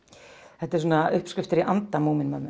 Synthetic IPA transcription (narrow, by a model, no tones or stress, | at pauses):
ɛht̪ɛɾsuːnaʏhpskʏft̪ɪɾiʔant̪amuːmɪnmœ̰ːmʏ